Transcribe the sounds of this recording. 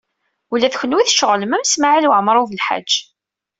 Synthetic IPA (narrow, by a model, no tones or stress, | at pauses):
ulːæθçənwiθʃəʁləmæmsmaʕilwəʕmɾˤuvəlħa̰d͡ʒʒː